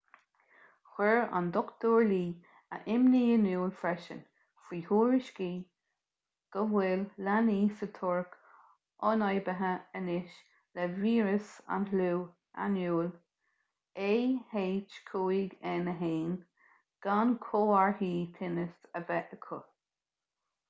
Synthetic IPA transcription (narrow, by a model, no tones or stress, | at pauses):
xwɛɹa̰nd̪ɔkt̪oːɹliː | ə̰ʔɪmniːənuːlfɾɛʃə̰n | fɹiːhuːɹɪʃkiː | ɡ̥əɦwɪlːaniːsət̪ʰʊɹk | ɔnɑjbəɦəənɪʃ | lɛviːɹəsa̰nhluː | a̰njuːl | eheːt͡ʃkʰuːiɡɛnəɦeːn | ɡ̥ankʰoːaɹhiːt̪ʰɪnəsəvɛʔəkʰʊ